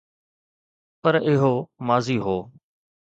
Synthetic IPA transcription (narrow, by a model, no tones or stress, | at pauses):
pəɾɪɦoːmaːziːɦoː